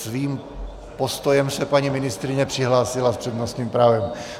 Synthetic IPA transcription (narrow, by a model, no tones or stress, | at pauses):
sviːm | post̪ojɛmsɛpaɲimɪnɪst̪ɾɪɲɛpr̥ɪɦlaːsɪlaspr̥ɛd̪nost̪ɲiːmpɾaːvɛm